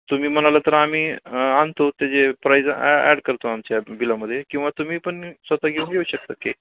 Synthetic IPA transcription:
t̪um̤iːm̤əñalat̪əɾam̤iːant̪ot̪jat͡sepɾajd͡zæ̰ɽkəɾt̪oamt͡ɕjabilaməd̪ʱːjekĩw̃ʋat̪um̤iːpəɳsʋət̪aɡeunɡʱeuɕək̚t̪əke

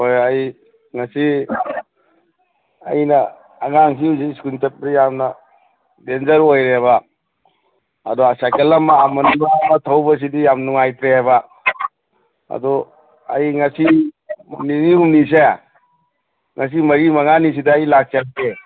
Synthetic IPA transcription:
ojaj | ŋɐsi | ɐ̰jnɐː | ŋaŋɦiuziskuntet̚ɾijamnɐ | denzɐɾojɾeβa | dɔasajkelɐmːaːmɐnŋamnɐtʰɐwbɐs̬idijamnuŋajt̪ɾeɦajba | ɐ̰dɔ | ɐ̰jŋɐsi | niniumnis̬e | ŋɐs̬imɐɾimaŋanis̬idaːjlak̚sak̚te

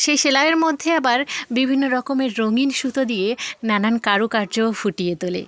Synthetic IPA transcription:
ʃejʃelaeɾmod̪ʱːeabaɾbibʱinːoɾɔkomeɾːoŋinʃut̪od̪ijenanankaɾukaɾd͡ʑofuʈijet̪olḛ

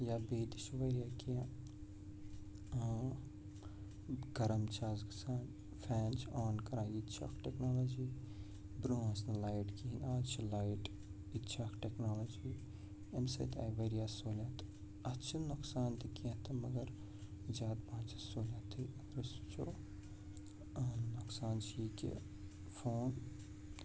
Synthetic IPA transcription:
jaːbeːd̪it͡ʃuʋɐɾijaːkijã | ɡɐɾɐmt͡ʃʰaːzksaːn | fʰɛːnt͡ʃʰaːnkɐɾãːjit͡ʃʰa̰kʰʈeknoːloːd͡ʒiː | bɾõsnɐlaːjʈkiinaːt͡ʃʰilajʈ | it̪ːt͡ʃʰakʈeknaːloːd͡ʒiː | emsḛt̪ʰa̰ːjʋeɾijaːsoːlʲaːt̪ | ɐtːt͡ʃʰinuksaːnt̪ʰikiẽt̪ʰɐmɐɡɐɾ | zaːd̪bãːt͡ʃʰɐsoːlʲaːt̪ʰiɾɐsu̥t͡ʃʰo̰ː | ɐnnʊksaːnt͡ʃʰijikḭ | fʰoːn

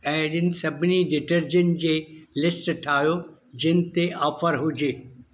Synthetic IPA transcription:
ɛ̃ːɗɪnɪ̆sɐbʱɪniɖɪʈəɾd͡ʑən̆d͡ʑeːlɪsʈʈʰaːjod͡ʑɪnɪ̆t̪eʔɐfəɾɦʊd͡ʑeː

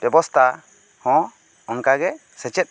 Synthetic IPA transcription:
bɛbɔst̪ʰa | hɔ̃ | ɔŋkaɡɛ | sɛt͡ʃɛt̪̚

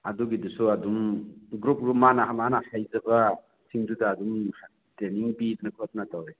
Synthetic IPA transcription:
aduɡidusuadumɡɾup̚ɾumanaɦamanahajzaba | sʰiŋdudaːdumh | teniŋbidnakʰɯt̚natawɾe

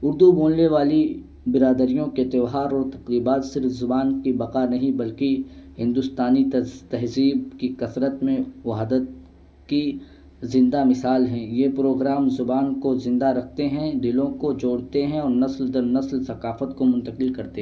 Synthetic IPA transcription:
ʊɾd̪uboːlneʋaːli | bɪɾaːd̪əɾijõket̪ɪʋɦaːɾɔːɾt̪ɐqɾiːbaːt̪sɪɾfzʊbaːnkibɐqaːnɐɦĩbɐlkiɦɪ̃nd̪ʊst̪aːnit̪ɐɦziːbkikɐsɾət̪mẽʋɐɦd̪ət̪ | ki | zɪ̃nd̪amɪsaːlɦɛ̃jeːpɾoːɡɾaːmzʊbaːnkozɪ̃nd̪aɾɐkʰt̪eɦɛ̃d̪ɪlõkod͡ʒoːɽt̪eɦɛ̃ɔːɾnɐsld̪ɐɾnɐslsɐkaːfət̪komʊ̃nt̪əqɪlkɐɾt̪eɦɛ̃

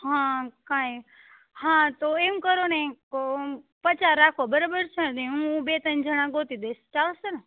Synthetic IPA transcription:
ɦãkãj | ɦãt̪oeũkəɾonek | pət͡ʃaɾːakʰobəɾobəɾt͡ʃʰəneũbet̪ənd͡ʒəɽ̃ãɡot̪id̪est͡ʃalsənə

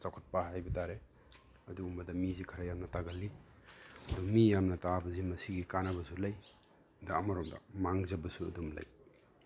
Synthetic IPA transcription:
t͡ʃakʰut̚paɦajbɐtaɾe | ɐduumbɐdɐmizikʰɐɾajamnɐtaɡɐlːib̚ | ɐdumijamnɐtabɐzimɐsiɡikanɐbɐsulɐj | dɐːmaɾɔmdɐ̰maŋzɐbɐsuɐdumlɐ̰j

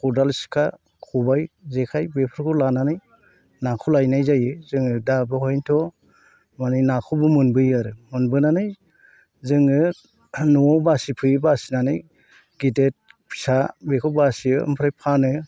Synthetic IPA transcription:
kʰudalsi̥kʰa | kʰubajzekʰajbepʰɯɾkʰulananɯj | nakʰulajnajzajɯzɯŋɯdabɯɦɔjntʰɔ | manijnakʰubɯmɯnbɯjaɾɯmɯnbɯnanɯj | zɯŋɯ | nuɔbasipʰɯjbasinanɯj | ɡidet̚ | pʰi̥sabekʰɔwbasiɯɯ̰mpʰɾajpʰanɯ

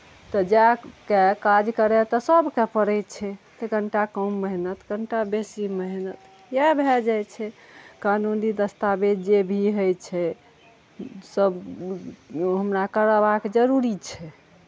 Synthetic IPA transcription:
t̪ɔd͡ʒɛkekad͡ʒkəɾet̪ɔsəbkepəɾəjt͡ʃʰɛt̪əɡəɳʈakəmːəɦnət̪ɡəɳʈabesiməɦnət̪ | jebʱɛd͡ʒajt͡ʃʰɛkanunid̪əst̪abed͡ʒebʱiɦəjt͡ʃʰɛ | səb | ɦəmɾakəɾəbaked͡ʒəɾuɾit͡ʃʰɛ

